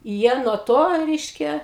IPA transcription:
ˈjiɛ nuɔ ˈtoː ˈrʲɛɪʃʲkʲɛ

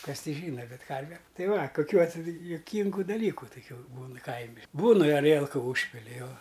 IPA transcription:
ˈkɐs ˈtʲɪ ˈʒʲiːnɐ ˈbʲɛt ˈkɐrʲʋʲɛ ˈtɐɪ ˈʋɐ kʊˈkʲuː ɐtʲˈsʲɪ jʊˈkʲiːŋɡʊ dɐˈlʲiːkʊ tʊˈkʲuː ˈbuːnɨ ˈkɐɪmʲɪ ˈbuːn ɪ ɐˈrʲiɛlˠkʊ ˈuːʃʲpʲɪlʲɪ ˈjoː

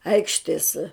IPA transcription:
ˈɐɪkʃʲtʲeːs

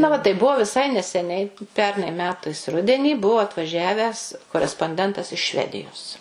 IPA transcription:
ˈnɐ ʋɐ tɐɪ ˈbʊʋoː ʋʲɪˈsɐɪ nʲɛsʲɛˈnʲɛɪ ˈpʲɛrnɐɪ ˈmʲæːtɐɪs ˈrʊdʲɛnʲiː ˈbʊʋʊ ɐtʋɐˈʒʲæːʋʲæːs koːrʲɛspoːnʲˈdʲɛntɐs ɪʃ ˈʃʲʋʲæːdʲɪjoːs

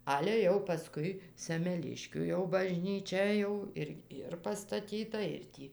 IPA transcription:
ˈɑːlʲɛ jɛʊ pɐˈskʊɪ sʲɛmʲɛˈlʲɪʃʲkʲuː jɛʊ bɐʒʲnʲiːˈt͡ʃʲɛ ˈjɛʊ ɪr ˈɪr pɐstɐˈtʲiːtɐ ɪr ˈtʲiː

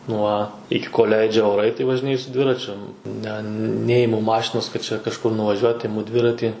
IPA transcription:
ˈnuɔ ˈɪkʲɪ koːlʲ ˈlʲɛɪd͡ʒʲɛ oːˈrɐɪ tɐɪ ʋɐʒʲɪˈnʲeːjʊ sʊ ˈdʲʋʲɪrɐt͡ʃʲʊ ˈnʲɛ ˈnʲæːjɪmʊ ˈmɑːʃʲɪnoːs kɐt ˈt͡ʃʲɛ kɐʃˈkʊr nʊʋɐˈʒʲuɔt ɪˈmʊ ˈdʲʋʲɪrɐtʲiː

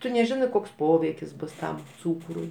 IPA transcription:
ˈtʊ nʲɛˈʒʲɪnɜ ˈkoːks ˈpoːʋʲɛɪkʲɪs ˈbʊs ˈtɐm ˈt͡suːkrʊɪ

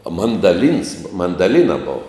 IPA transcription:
ɐ mɐndɐˈlʲiːns mɐndɐˈlʲiːnɐ ˈboːʋɐ

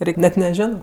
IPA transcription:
ˈrʲɛɪkʲ nʲɛt nʲɛˈʒʲoːnoː

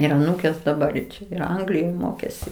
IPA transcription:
ɪr ɐˈnuːkʲeːs dɐˈbɐr ɪ ˈt͡ʃʲɛ ɪr ˈɐŋɡlʲɪjoːj ˈmoːkʲeːsʲɪ

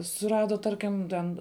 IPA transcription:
sʊˈrɑːdɐ ˈtɐrʲkʲɪm ˈtʲɛn

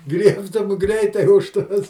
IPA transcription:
ˈɡrʲiɛptʊm ˈɡrʲɛɪtɐɪ ʊʃ ˈtoːs

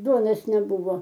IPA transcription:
ˈduɔnoːs nʲɛˈbʊʋoː

